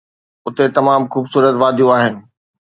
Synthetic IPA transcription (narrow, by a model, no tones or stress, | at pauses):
ʊt̪et̪ɐmaːmxuːbsuːɾət̪ʋaːd̪ʱjũaːɦɪnɪ̆